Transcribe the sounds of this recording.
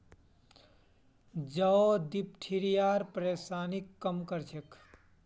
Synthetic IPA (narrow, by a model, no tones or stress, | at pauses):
d͡ʒəod̪ip̚ʈʰiɾijaːɾpɾeːsaːnikːəmkəɾt͡ʃʰek